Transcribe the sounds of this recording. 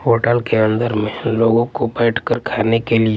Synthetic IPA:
ɦoːʈəlkeə̃nd̪əɾmẽloːɡõkobɛːʈʰkəɾkʰaːnekeli

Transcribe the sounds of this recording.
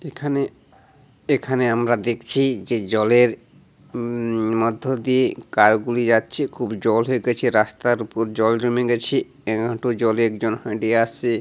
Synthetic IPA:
ekʰane | ekʰaneamɾad̪ekʰt͡ɕʰid͡ʑed͡ʑɔleɾ | mɔd̪ʱːod̪iekaɾɡulid͡ʑatːɕʰekʰubd͡ʑɔlɦoeɡɛt͡ɕʰiɾast̪aɾupoɾd͡ʑɔld͡ʑomeɡɛt͡ɕʰi | ɛɡʱãʈod͡ʑɔleɛkd͡ʑonhɔjʈiease

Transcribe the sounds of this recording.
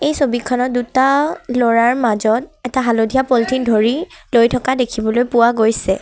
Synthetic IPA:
ejsobikʰːɔnɔt̚dutalɔɹaɹmazɔt̚ɛtaɦalodʱijapoltʰindʱoɹilojtʰɔkadekʰibɔlojpʊwaɡojsɛ

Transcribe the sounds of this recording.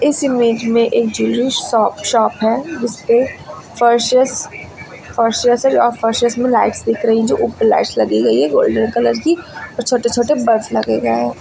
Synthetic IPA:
ɪsɪmeːd͡ʒmẽʔeːk̚d͡ʒuːlɾɪʃsɔːpʃɔːpɦɛːd͡ʒɪspe | fəɾʃəs | fɐɾʃəsəɾɔːɾfʰəɾʃəsmẽlaːɪʈsd̪ɪːkʰɾɐɦiɦɛ̃d͡ʒoːʔuːpənla̰ɪʈslɐɡiɡɐiɦɛɡoːlɖənkɐləɾd͡ʒɡiɔːɾt͡ʃʰoːʈet͡ʃʰoːʈebɐɾslɐɡeɡɐː

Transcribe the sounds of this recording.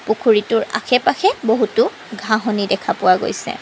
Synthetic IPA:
pukʰuɹitʊɹa̰xʰɛpaxʰɛboɦutʊ | ɡʱaɦɔnidɛkʰapʊwaɡo̰jsɛ̰

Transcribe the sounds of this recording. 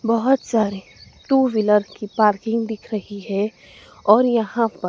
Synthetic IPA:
bɐɦʊt̪saːɾi | ʈuːʋɪləɾkipaːɾkɪ̃ŋɡd̪ɪkʰɾɐɦiɦɛ | ɔːɾjɐɦãpɐɾ

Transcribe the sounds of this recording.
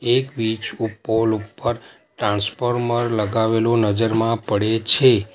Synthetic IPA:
ekʋit͡ʃupːolupːəɾ | ʈɾãnspoɾməɾləɡaʋelonəd͡ʒəɾmãpəɽet͡ʃʰe

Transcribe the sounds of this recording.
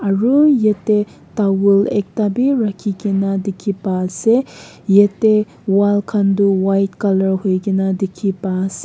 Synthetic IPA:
aɾujete | tawulek̚tabiɾakʰiɡinadikʰipalse | jete | walkʰanduwajt̚kɐlɐɾhojɡinadikʰipas

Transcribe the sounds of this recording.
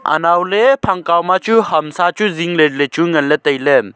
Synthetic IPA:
ʔa̰nawlepʰaŋkawmat͡ʃuɦɐmsat͡ʃuziŋləɾlət͡ʃuŋənlət̪əjləm

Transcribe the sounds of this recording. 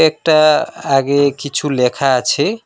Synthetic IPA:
ek̚ʈaaɡekit͡ʃʰulekʰat͡ʃʰe

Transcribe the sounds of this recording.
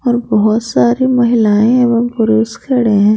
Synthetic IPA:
ɔːɾbɔɦʊt̪saːɾimɐɦɪlaːẽeːʋɐmpʊɾoːskʰɐɽẽɦɛ̃ː

